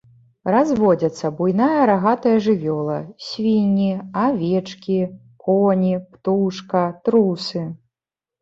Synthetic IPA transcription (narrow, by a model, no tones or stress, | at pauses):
razvɔd͡zʲɐt̪sːɐbujnajɐɾaɣat̪ɐjɐʐɨvʲɔlˠɐ̰sʲvʲinʲiavʲɛt͡ʂkʲi | kɔnʲipt̪uʂkɐt̪ɾusɨ